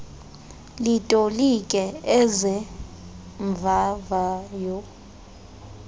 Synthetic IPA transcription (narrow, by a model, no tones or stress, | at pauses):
litʼolikʼɛɛzɛ | ɱvʱavajɔ